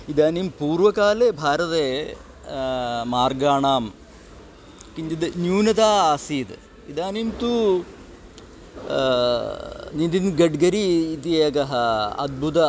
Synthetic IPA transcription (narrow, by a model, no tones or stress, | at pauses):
id̪aːnimpuːɾʋɐkaːleːbʱaːɾɐt̪eː | maːɾɡaːɳaːm | kiɲd͡ʒid̪njuːnɐt̪aːaːsiːt̪ | id̪aːnimt̪uː | nind̪inɡɐɖɡɐɾiːt̪ieːkɐɦɐɐ̰d̪̚bʱut̪ɐ